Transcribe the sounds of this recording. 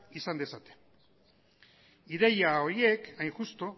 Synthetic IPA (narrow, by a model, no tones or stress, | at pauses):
isand̪esat̪e̥ | iðe̞jao̞ɾie̞kajŋxust̪o̞